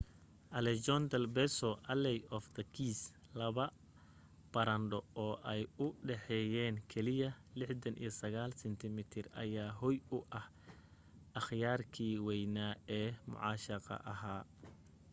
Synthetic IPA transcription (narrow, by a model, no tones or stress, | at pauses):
ʔɐlɛd͡ʒɔnd̪ɐlbɛsɔʔɐlɛjɔfd̪ɐkʰiːs | lɐβɐ | b̥ɐɾɐnɖɔɔːʔɛjʊɖɛħɛːjɛːnkʰɛlɪjɐ | lɪħd̪ɐnḭjɞsɐɣaːlsɛnt̪ʰɪmɪt̪ʰɪrɐ̰jaːɦɔjʊʔɐh | ʔɐχjaːrkʰiːwɛjnaːɛːmʊ̰ʕɑːʃɐqɑ̰ʔɐɦaː